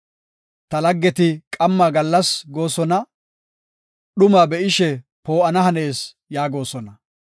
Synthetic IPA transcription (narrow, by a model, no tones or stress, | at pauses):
t̪ɐlɐɡːɛt̪ɪkʼɐmːaːɡɐlːɐsɡo̞ːsɔnɐ | ɗʊmaːbɛʔɪʃɛ | po̞ːɐnɐɦɐne̞ːs | jaːɡo̞ːsɔnɐ